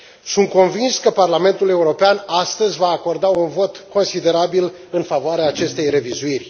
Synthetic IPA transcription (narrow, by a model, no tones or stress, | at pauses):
sunt̪̚ko̞nvinskəparlame̞nt̪ule̞uɾo̞peanast̪əzʲvaːko̞rd̪aunvo̞t̪ko̞nsid̪e̞ɾabil | ɨnfavoaɾeaːt͡ʃe̞st̪e̞jre̞vizuirʲ